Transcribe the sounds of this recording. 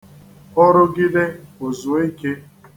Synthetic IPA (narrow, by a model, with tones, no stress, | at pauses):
ʊ˦ɾʊ˦ɡɪ˦de˦o˨zʊ˨˦i˦ke˦